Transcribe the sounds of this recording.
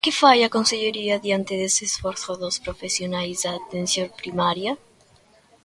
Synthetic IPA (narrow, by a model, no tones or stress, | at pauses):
kefajakonseʎeɾiaðjant̪eðeseːsfweɾθoðospɾofesjonajzd̪at̪ensjompɾimaɾja